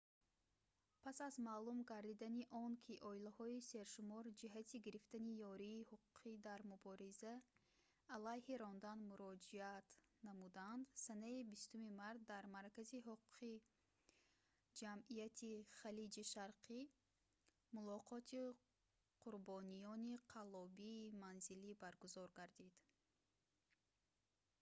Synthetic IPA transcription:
pʰasazmaːlumɡaɾd̪id̪aniʔɔnkʲʰiʔɔilahɔise̞ɾʃumɔɾd͡ʒiɦat̪ʰiɡiɾift̪anijɔɾiːhuqʰu̥qʰid̪aɾmubɔɾizaː | lajhiɾɔnd̪anmuɾɔd͡ʒiat̪namud̪aand̪sanaibist̪umimaɾt̪̚d̪aɾmaɾkaziɦuqʰu̥qʰi | d͡ʒamijat̪ʰiχalid͡ʒiʃaɾqʰi | mulɔqʰɔt̪ʰi | qʰuɾbɔnijɔniqʰalɔbiːmanzilibaɾɡuzɔɾɡaɾd̪id̪̥

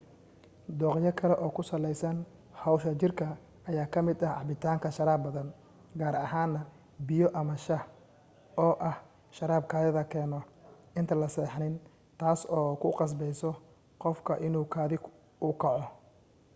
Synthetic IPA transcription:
d̪ɔːqjɐkʰɐlɛʔɔːkʰʊsɐlɛjsɐn | hɐwʃɐt͡ʃɪrkʰɐ | ɐjaːkʰɐmɪd̪ɐhʕɑ̰bɪt̪ʰaːŋkʰɐʃɐɾaːbbɐðɐn | ɡaːɾɐɦaːnːɐ | bɪjɔʔɐmɐʃɐ | ɔːʔɐh | ʃɐɾaːb̚kʰaːðɪðɐkʰɛːnɔʔɪnt̪ʰɐlɐsɛːħnɪn | t̪ʰaːsɔːkʰʊqɑs̬bɛjsɔ | qɔfkʰɐʔɪnuːkʰaːðɪɡ | ʊkʰɑʕɔ

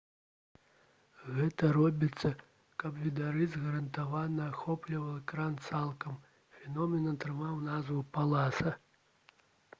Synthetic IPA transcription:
ɣɛt̪ɐɾɔbʲit̪sːɐ | kɐbvʲid̪aɾɨzɣɐɾɐnt̪avanɐaxɔplʲivɐlˠɛkɾant̪salˠkɐm | fʲɛnɔmʲɛnɐt̪ɾɨmawnazvɨpalˠasɐ

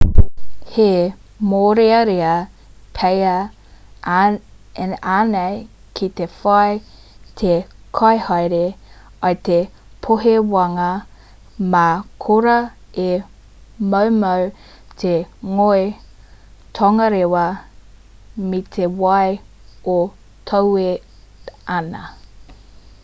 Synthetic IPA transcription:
hemoɾeɐɾeɐ | pʰejɐ | anej | kʰit̪efaj | t̪ʰekʰɐjhɑjɾeɐt̪epʰoɦewɐŋɐ | makʰoɾɐ | e | mowmow | tʰeŋoe | tʰɐŋɐɾewɐ | mit̪ʰewɐjo | tʰɐwe | ɐnɐ̰

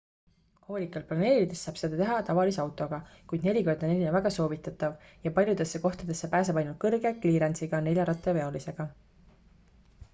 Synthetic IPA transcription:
ho̞ːlʲikːˑɑlplɑne̞ːlid̪̥e̞sːɑːb̥se̞d̪ɑt̪e̞ɦɑt̪ɑvɑliseɑwt̪ˑo̞ɡ̥ɑkujd̪ne̞lʲikord̪o̞ne̞lʲinevæɡ̥ɑso̞ːvit̪ːˑɑt̪ːˑɑvjɑpɑlʲjud̪̥e̞sːeko̞ht̪ɑd̪̥e̞sːepæːs̬ebɑjnult̪̚kɤrɡe̞kliːɾensiɡ̥ɑne̞lʲjɑɾɑt̪ːˑeve̞o̞lise̞ɡ̥ɑ

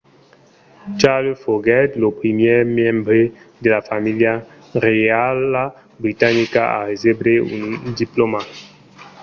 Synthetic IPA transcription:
t͡ʃalofoɡɛtlopɾimjemjɛ̃mbɾedelafamilja | ʁeala | bɾitanikaa̰ɾezebɾeṵ̃ndiploma

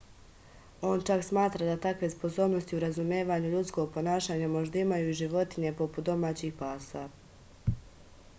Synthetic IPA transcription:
o̞ːnt͡ʃaksmaːt̪ɾad̪at̪akʋe̞spo̞so̞ːbno̞st̪iuɾazumjeːʋaːɲuʎut̪sko̞ɡ̚po̞naːʃaːɲamo̞ʒd̪aimajuiʒiʋo̞t̪iɲe̞po̞pu̥t̪̚d̪o̞maːt͡ɕixpaːsa

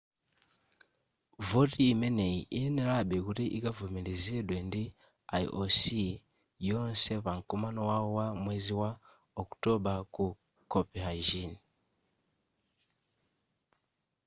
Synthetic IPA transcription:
voɾiːmeneiʔienelaɓeɣuɾiʔiɡavumilizidwendi | aḭʔosi | jonseβaŋkumanowawowamweːziwa | oku̥toɓaku | kopihaʒini

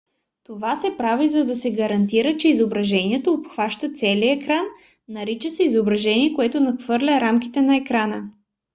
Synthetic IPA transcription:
t̪ovasɛpɾavizɐd̪ɐsɛɡɐɾɐnt̪iɾət͡ʃɛizobɾɐʒɛniɛt̪oːpxvaʃt̪ət̪sɛliəɛkɾanː | ɐɾit͡ʃəsɛizobɾɐʒɛniɛkoɛt̪onɐxv̥ɤɾlʲɐɾamkit̪ɛnɐɛkɾanə

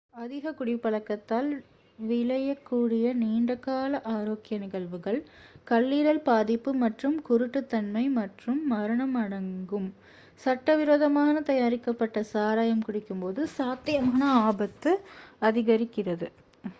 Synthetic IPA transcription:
ɐðɪɣɐkːʊɽɪpːɐɭɐkːɐt̪ːaːl | ʋɪɭɐjɐkːuːɽɪjɐniːɳɖɐkːaːlɐʔaːɾoːkɪjɐnɪɣɐɭʋɯɣɐɭkɐɭːiːɾɐlpaːðɪpːɯmɐʈrɯmkʊɾʊʈːɯt̪ːɐnmɐɪmɐʈrɯmːɐɾɐɳɐmɐɽɐŋɡɯm | sɐʈːɐʋɪɾoːðɐmaːnɐt̪ɐjaːɾɪkːɐpːɐʈːɐsaːɾaːjɐmkʊɽɪkːɯmpoːðɯsaːt̪ːɪjɐmaːnɐaːbɐt̪ːɯɐðɪɣɐɾɪkːɪrɐðɯ

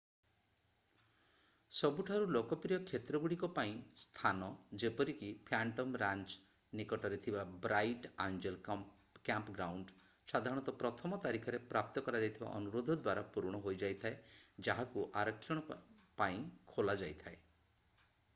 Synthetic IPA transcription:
sɔbuʈʰaɾulokɔpɾijɔkʰːet̪ɾɔɡuɽikɔpaĩst̪ʰanɔd͡ʒepɔɾikipʰaɳʈɔmɾant͡ʃ | nikɔʈɔɾet̪ʰibabɾajʈand͡ʒel | kampɡɾawɳɖ | sad̪ʱaɾɔɽ̃ɔt̪ɔpɾɔt̪ʰɔmɔt̪aɾikʰɔɾepɾap̚t̪ɔkɔɾad͡ʒajt̪ʰiba̰ʔɔ̰nuɾod̪ʱɔd̪waɾapuɾɽ̃ɔɦojd͡ʒajt̪ʰaed͡ʒaɦakuʔaɾɔkʰːjɔɽ̃ɔ | paĩkʰolad͡ʒajt̪ʰae

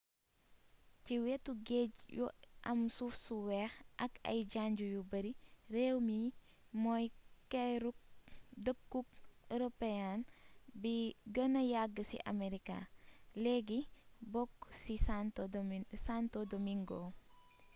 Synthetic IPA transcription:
ciwɛtːuɡɛɟjṵʔɐmsufsuwɛxʔɐkɐ̰jɟaːɲɟujubɐɾirɛwmi | mɔjkɛɾukdəkːuk̚eɾopɛjanbiɡɐnɐjaɡːəsḭʔɐ̰meɾika̰lɛɡibɔkːsis | santɔdɔmiŋɡɔː

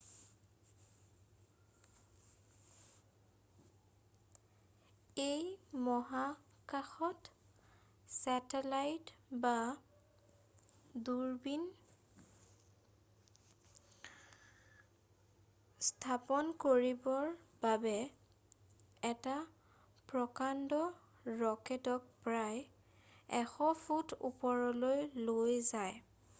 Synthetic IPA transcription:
ejmɔɦa | kaxɔt | sɛtɛlajtba | duɹbin | stʰapɔnkoɹibɔɹb̥abɛ | ɛta | pɹɔkandɔ | ɹɔkɛtɔk̚pɹaj | ɛxɔfʰutʰṵpɔɹɔlojlojzaj

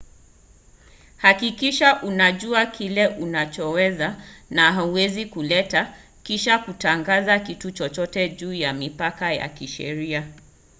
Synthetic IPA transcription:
hakikiʃaʔunaʄuakʰilɛʔunat͡ʃɔwɛzanaɦauwɛzikulɛta | kiʃakutaŋɡazakitut͡ʃɔt͡ʃɔtɛʄuːjamipakaja̰kiʃɛ̰ɾia

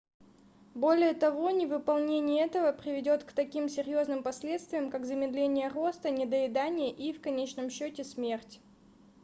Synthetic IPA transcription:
bo̞lʲɪjət̪ɐvo̞nʲɪvɨpɐlˠnʲenʲɪjəɛt̪əvəpɾʲɪvʲɪdʲo̞t̪kt̪ɐkʲimsʲɪɾʲjo̞znɨmpɐsʲlʲe̞t̪st̪vʲɪjəmkakzəmʲɪd̪lʲenʲɪjəro̞st̪ənʲɪd̪əɪd̪anʲɪjəʔifkɐnʲet͡ɕnəmɕːotʲɪsmʲertʲ

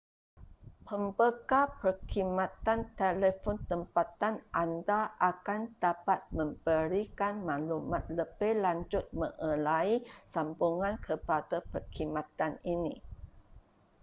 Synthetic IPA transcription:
pəmbəkapərkimãt̪ant̪eləfɔnt̪əmpat̪anʔandaʔakand̥apat̪̚mə̃mb̥əɾikanmãlumat̪̚ləbɛlaɲd͡ʒʊt̪̚mə̃ŋʔə̃laisambuŋãnkʰəpadapərkʰimãt̪aninḭ̃

